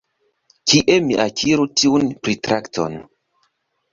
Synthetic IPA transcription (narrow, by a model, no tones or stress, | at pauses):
kiʔemiʔakʰiɾutiunpɾitɾakto̰n